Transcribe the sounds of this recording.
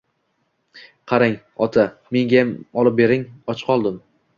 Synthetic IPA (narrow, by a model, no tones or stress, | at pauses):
qʰɑɾaŋ | ɒt̪ʰame̞ŋɡʲajamɒlˠɪp̚be̞ɾɪŋɒt͡ʃqʰɒlˠd̪ɪm